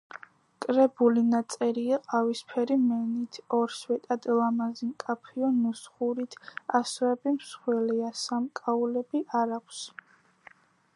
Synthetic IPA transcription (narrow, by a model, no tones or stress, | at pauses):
kʼɾɛbulinat̪sʼɛɾiaqʼavispʰɛɾimɛnit̪ʰɔɾswɛt̪ʼad̪lˠamazimkʼapʰiɔnusχuɾit̪ʰasɛbimsχwɛliasamkʼaulɛbiʔaɾakʷʰs